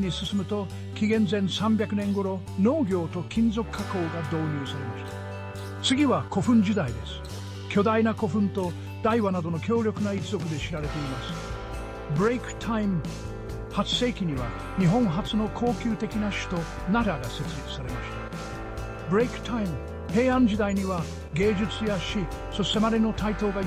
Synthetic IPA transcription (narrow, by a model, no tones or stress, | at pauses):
ɲisɨsɨmɯ̟t̪o̞ | kʲiɡẽ̞nd͡zẽ̞ɰ̃sãmbʲakɯ̟nẽ̞ŋɡo̞ɾo̞ | no̞ːɡʲo̞ːt̪o̞kʲĩnd͡zo̞kɯ̥kʰːako̞ːɡad̪o̞ːɲ̟ɨːsaɾe̞maɕi̥t̪ḁ | t͡sɨɡʲiβako̞ɸɯ̟̃ɲd͡ʑid̪aid̪e̞sɨ̥ | kʲo̞d̪ainako̞ɸɯ̟̃nt̪o̞ | d̪aiβanad̪o̞no̞kʲo̞ːɾʲo̞kɯnait͡sɨzo̞kɯ̟d̪eɕiɾaɾe̞t̪e̞imasɨ̥ | bɯɾeikɯ̟̥t̪ʰaim | hat͡sɨ̥se̞ːkʲiɲ̟iβa | ɲ̟iɦõ̞ɰ̃ɦat͡sɨno̞kʰo̞ːkʲɨːt̪e̞kʲinaɕi̥t̪o̞ | naɾaɡase̞t͡sɨɾʲit͡sɨ̥saɾe̞maɕi̥t̪ḁ | bɯɾeikɯ̥t̪ʰaim | he̞ːãɲd͡ʑid̪aiɲ̟iβa | ɡe̞ːd͡ʑɨt͡sɨjaɕi | so̞ɕt̪e̞maɾʲino̞t̪ait̪o̞ːɡa